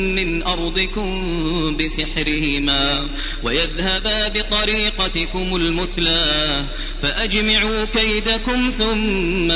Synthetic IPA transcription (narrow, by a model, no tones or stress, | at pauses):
ɪnʔɑɾˤd̪ˤɨkʊm | bɪsɪħɾɪhɪmaː | wajaðhabaːbɪt̪ˤɑɾiːqɑt̪ɪkʊmʊlmʊθlaː | faʔad͡ʒmaʕuːkajd̪akʊmθʊmːa